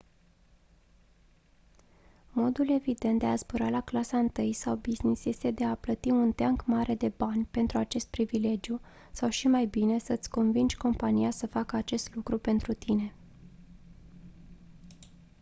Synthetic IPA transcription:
mo̞d̪ule̞vid̪e̞nt̪̚d̪easbuɾalaklasaɨnt̪ɨjsawbiznisese̞d̪e̞aplət̪iunt̪eaŋkmaɾe̞d̪e̞banʲpe̞nt̪ɾuat͡ʃe̞st̪̚pɾivile̞d͡ʒju | sawʃimajbine̞sət̪sʲko̞nvind͡ʒʲko̞mpanijasəfakəat͡ʃe̞st̪lukɾupe̞nt̪ɾut̪ine̞

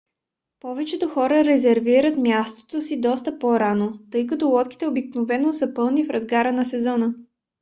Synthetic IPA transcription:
pɔvɛt͡ʃɛt̪oxɔɾəɾɛzɛɾviɾət̪mʲjast̪o̥t̪osid̪ɔst̪əpoɾanot̪ɤjkɐt̪ɔlˠɔt̪k̟i̥t̪ɛobiknovɛnosəpɤlˠnifɾɐzɡaɾənɐsɛzɔnə

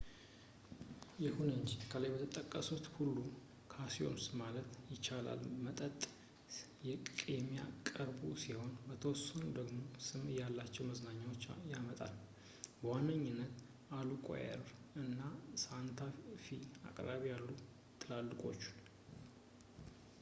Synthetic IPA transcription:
jɛhunəɲt͡ʃkʰəlajbət̪ʰət̪ʼəkʼːəsut̪hulːu | kʰasio̞̰msmalət̪jɪt͡ʃːala̰lmət̪ʼət̪ʼ | jɛkkʼemija̰kʼəɾbusiho̞nbət̪ʰəwɔsənud̪əɡmo̞sɨmjalːat͡ʃːɛwməznaɲːawo̞t͡ʃːjamət̪ʼa̰l | bəwanːəɲːɪnːət̪ | alukʼo̰jɛ̰ɾɨnːasant̪ʰafia̰kʼɾaβijalːu | t̪ʰɨlalːɨkʼo̞̰t͡ʃːu̥

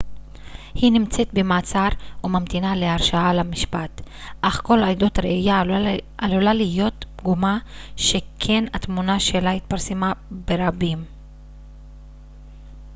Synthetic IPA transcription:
hinimt͡set̪bemaːt͡saɾumamt̪inaleaʁʃaalamiʃpat̪ | ʔaχko̞lajdot̪ʁeijaalulalijo̞t̪̚ɡumaʃe̞kʰe̞nat̪munaʃe̞lait̪̚paʁsemabeʁabim

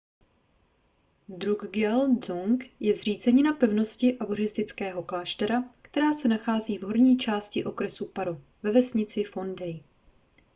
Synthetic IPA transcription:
d̪ɾuɡɡɛlzoŋkjɛzr̝iːt͡sɛɲɪnapɛvno̞scɪʔavoɾɪst̪ɪt͡skɛːɦo̞klaːʃt̪ɛɾakt̪ɛɾaːsɛnaxaːziːvɦo̞ɾɲiːt͡ʃaːscɪʔo̞kɾɛsupaɾo | vɛvɛsɲɪt͡sɪfo̞ndɛj

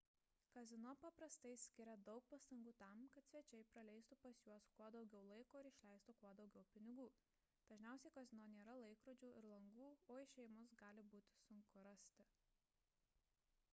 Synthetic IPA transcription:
kɐzʲɪnoːpɐpɾɐst̪ɐɪsʲkʲɪɾʲɛd̪ɒʊk̚pɐst̪ɐŋɡuːt̪ɑˑmkɐt̪sʲʋʲɛt͡ʃʲɛɪpɾɐlʲɛɪst̪upɐsjuɔskuɔd̪ɒʊɡʲɛʊlˠɐɪkoːɪɾɪʃʲlʲɛˑɪst̪ukuɔd̪ɒʊɡʲɛʊpʲɪnʲɪɡuː | d̪̥ɐʒʲnʲæˑʊsʲɛɪkɐzʲɪnoːnʲeːɾɐlˠɐɪkɾoːd͡ʒʲuːɪɾlˠɐŋɡuːoːɪʃʲɛjɪmʊsɡɑːlʲɪbuːt̪ʲɪ̥sʊŋkʊɾɐsʲt̪ʲɪ

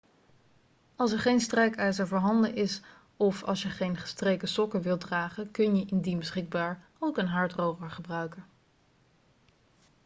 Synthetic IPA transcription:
ɑlˠsɛɹχejnstrɛjkœɥzəɹvoːɹɦɑndənʔɪs | ɔfɑ̰lˠsjəχejnχə̥strejkəsɔkəʋɪlˠdraːχəkɵnjəʔɪndinbəsχɪɡ̚baːɹ | owkənɦɑɹtrowχəɹχəbrœɥkən

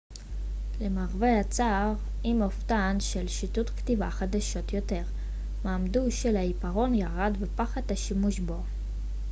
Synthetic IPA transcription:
lemaʁveat͡saʁ | imoftanʃelʃitutktivaχadaʃo̞t̪jo̞te̞ʁ | maːmduʃelaipaʁo̞njaʁadvepaχadhaʃimuʃbo̞

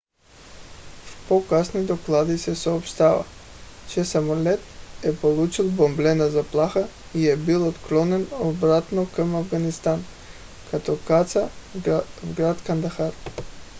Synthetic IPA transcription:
pokasnid̪oklˠad̪isɛsɔːpʃt̪ava̰ | t͡ʃɛsamolɛt̪ɛpolˠut͡ʃilˠbomblɛnazaplˠaxa | iɛbilˠɔt̪klˠɔnɛnobɾat̪nokamavɡanist̪an | kat̪ɔkat̪sa | vɡɾat̪kand̪axaɾ

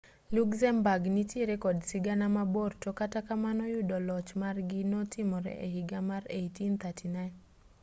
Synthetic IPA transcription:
lukzɛmbaɡnitjeɾekɔdsɪɡanamabortokatakamanɔjʊdɔlɔt͡ʃmarɡɪnɔtɪmɔɾɛ̰ʔehɪɡamaɾejtint̪ʰatʰinaɪn

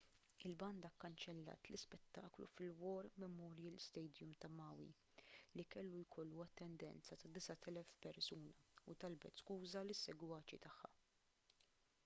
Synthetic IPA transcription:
ɪlbɐnd̪ɐkːɐnt͡ʃɛlːɐ̰ːt̪lɪspɛt̪ːɐːklṵfɪlwɔːɾmɛmɔːɾjɛlst̪ɛjd̪jʊmt̪ɐmɐːwḭ | likɛlːujkʰɔlːuɐt̪ːɛnd̪ɛ̰nt͡sɐt̪ɐd̪ɪsɐt̪ɛlɛfpɛɾsuːnɐut̪ɐlbɛt̪skuːzɐlɪsːɛɡwɐːt͡ʃit̪ɐħːɐ̰

